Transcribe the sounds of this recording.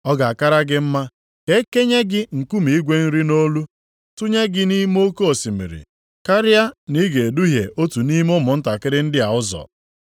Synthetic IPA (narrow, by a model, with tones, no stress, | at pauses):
ɔ˦ɡa˨a˨ka˦ɾa˦ɡɪ˦m̩˦ma˦ | ke˦ke˦ɲe˦ɡɪ˦ŋ̩˨ku˦mi˨i˦ɡʷe˦n̩˦ɾi˦no˦lu˦ | tʊ˦ɲe˦ɡɪ˦ni˦m˦o˦ko˦o˨si˨mḭ˨ɾḭ˨ | ka˦ɾɪ˦a˦ni˦ɡe˨e˨du˦ɦje˨ʔo˦tu˨ni˦mʊ˦mʊ˨n̩˦ta˨kɪ˦ɾɪ˦n̩˦dɪ˦a˨ʊ˦zɔ̰˨